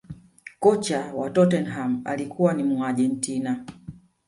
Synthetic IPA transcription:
kɔt͡ʃawatɔtɛnɦama̰likuwanimuaʄɛntina

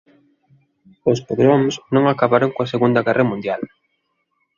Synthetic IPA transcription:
ospoðɾomsnõŋakaβaɾoŋkoaseɣund̪ɐɣɛrɐmũnd̪jal

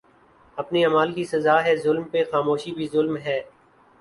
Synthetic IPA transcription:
ɐpniaːmaːlkisɐzaːɦɛːzʊlmpexaːmoːʃibʱizʊlmɦɛː

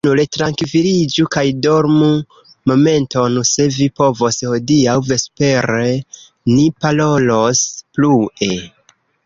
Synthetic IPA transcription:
nuletɾaŋkvilid͡ʒukajdo̞ɾmu | mo̞me̞nto̞nse̞vipo̞vo̞sho̞diawve̞spe̞ɾe | nipalo̞lo̞splue̞

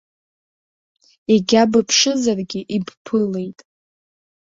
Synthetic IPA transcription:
eɡʲabɨpʰʂɨzarɡʲɪʔibpʰɨle̞jtʼ

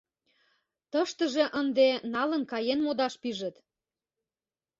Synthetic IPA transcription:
t̪əʃt̪əʒĕʔənd̪enɑlə̆nkɑjenmod̪ɑʃpiʒə̆t̪

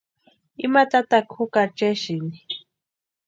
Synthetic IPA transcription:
imat̪at̪akʰʊkat͡ʃɛʃini

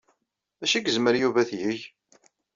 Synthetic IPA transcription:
æʃiɡəzməɾjuvæθjəʝ

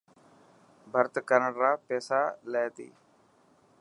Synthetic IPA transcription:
bʱəɾt̪kəɾəɳɾaːpɛːsaːleːt̪ḭː

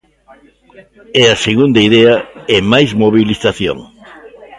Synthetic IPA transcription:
ɛɐseɣund̪ɐiðɛɐemajzmoβiliθaθjo̰ŋ

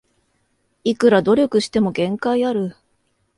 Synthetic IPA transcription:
ikɯ̟ɾad̪o̞ɾʲo̞kɯ̟ɕi̥t̪e̞mo̞ɡẽ̞ŋkaiaɾɯ̟

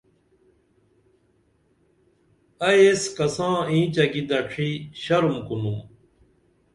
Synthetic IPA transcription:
ɐjeskɐsãːĩːt͡ɕɐɡid̪ɐʈ͡ʂʰiɕɐɾumkunum

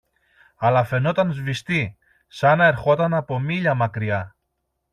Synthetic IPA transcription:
ɐlɐfe̞no̞t̪ɐnzvist̪i | sɐnɐe̞ɾxo̞t̪ɐnɐpo̞miʎɐmɐkɾiɐ

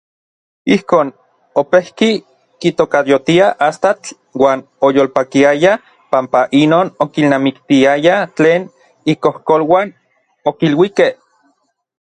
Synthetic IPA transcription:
ihkoːn | opehki | kit̪okad̪jot̪iaʔast̪at͡ɬ | waːn | ojoːlpakiaja | pampaʔinoːnokilnamikt̪iajat͡ɬeːn | ikohkolwaːn | okilwikeh

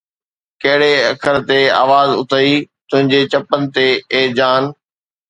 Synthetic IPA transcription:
kɐɦɪɽeɐkʰəɾt̪ea̰ːʋaːzʊt̪ʰəiːt̪ʊ̃ɦɪ̃ɲd͡ʑet͡ɕɐpənɪ̆t̪eeːd͡ʑaːn

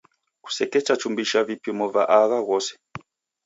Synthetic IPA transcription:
ku̥sɛkɛt͡ʃat͡ʃumbiʃavipjɔmɔvaʔaɣaɣɔsɛ̥

